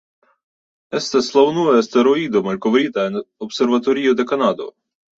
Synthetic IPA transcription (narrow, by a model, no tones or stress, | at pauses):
ɛst̪ɛslˠɐwnuɛɐst̪ɛɾɔid̪ɔmɐlʲkɔʋɾʲit̪ɐnɔpsɛɾvɐt̪ɔɾʲijʊd̪ɛkɐnɑd̪ɔ̰